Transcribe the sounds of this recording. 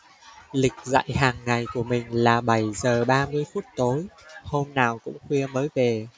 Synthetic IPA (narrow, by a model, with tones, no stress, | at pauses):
lï˨˩k̟̚za̰ː˧˨jhaː˨˩ŋːa˨˩jku˧˩əmï˨˩ŋ̟laː˨˩ɓə˧˩jzəː˨˩ɓaː˧mɨ˧əjfu˦˥t̚t̪oː˨˦jho˧mnaː˨˩wkʊ̰˧˥ŋ͡mxwi˧əməː˨˦jve˨˩